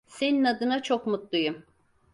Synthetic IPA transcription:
se̞ninad̪ɯnat͡ʃʰo̞kmut̪lˠujum

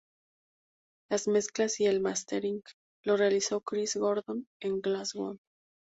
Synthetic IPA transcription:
lazme̞sklasie̞lmast̪eɾiŋɡ | lo̞realisokɾizɣo̞ɾðo̞ne̞ŋɡlazɣo̰n

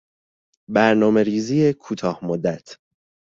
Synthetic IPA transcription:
bæɾnɒːme̞ɾiːziːjekʰuːt̪ʰɒːhmod̪ːæt̪ʰ

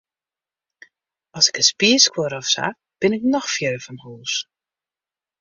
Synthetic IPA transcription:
ɔsɪ̥kəspiəskwoɾɔfsa̰ | b̥ɪnɪknɔxfjøːvɔnhuːs

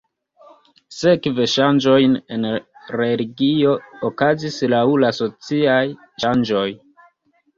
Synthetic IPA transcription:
se̞kveʃand͡ʒo̞jne̞nɾe̞liɡio̞ːkazislaulaso̞t͡siaj | ʃand͡ʒo̞j

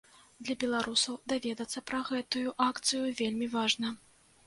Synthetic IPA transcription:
d̪lʲɐbʲɛlˠaɾusɐwd̪avʲɛd̪ɐt̪sːɐpɾɐɣɛt̪ujuʔakt̪sɨjuvʲelʲmʲivaʐnɐ

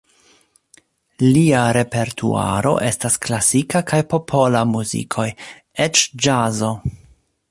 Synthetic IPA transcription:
liaɾe̞pe̞ɾtʰṵa̰ɾo̞̰ʔe̞stasklasikakʰajpo̞pʰo̞lamuzḭkʰo̞j | et͡ʃd͡ʒazo̞

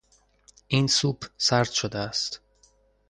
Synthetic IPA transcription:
ʔiːnsuːbsæɾd̪ʃod̪eæst̪

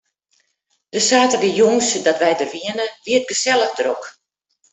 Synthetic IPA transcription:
d̥əsaːtədijoŋsdɔtʋɛjdərʋiənəʋiət̚ɡəsɛləɣdərɔk

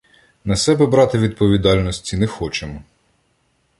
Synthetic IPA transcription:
nɐsɛbɛbɾɑt̪ɪʋʲid̪̚pɔʋʲid̪ɑlʲnɔsʲtʲinɛxɔt͡ʃemɔ

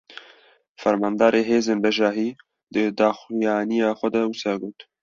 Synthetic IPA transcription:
fɛɾmɑːnd̪ɑːɾeːɦeːzeːnbɛʒɑːɦiː | d̪ɨd̪ɑːxijɑːnijɑːxʷɛd̪ɐwusɑːɡoːt̪

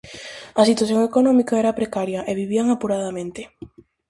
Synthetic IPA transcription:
ɐsit̪waθjõŋekonɔ̃mikaɛɾapɾekaɾjɐʔeβiβ̞iaŋapuɾaðamẽnt̪ɪ

